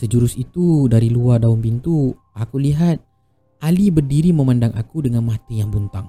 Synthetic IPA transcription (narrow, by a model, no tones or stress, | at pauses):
səd͡ʒuɾʊsit̪udaɾiluardaʊmpint̪u | akuliɦat̪̚ | alibərdiɾiməmandaŋa̰kudəŋanmat̪ijaŋbunt̪aŋ